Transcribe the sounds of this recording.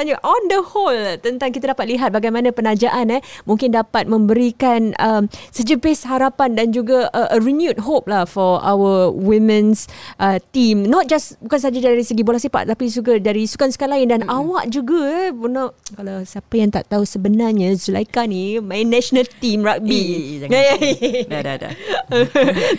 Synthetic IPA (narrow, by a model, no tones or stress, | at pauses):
ɲaʔɔndəholt̪ənt̪aŋkit̪adapat̪̚liɦat̪̚baɡajmãnãpənad͡ʒaʔanəmũŋkɪndapat̪̚mə̃mbəɾikanəmsəd͡ʒəbeshaɾapandand͡ʒuɡaəʔəɹinjut̚ɦop̚lahfɔa̰wəwimɛ̃nsʔət̪imnɔt̪̚d͡ʒasbukans̬ad͡ʒadaɾisəɡibolasipa̰ʔt̪apis̬uɡadaɾisu̥kansə̥kalaɪndanawaʔd͡ʒuɡapunɔʔkalawsiapajaŋt̪a̰ʔt̪ausəbənarɲasula̰jkanimajnɛʃonalt̪imɹak̚biaja̰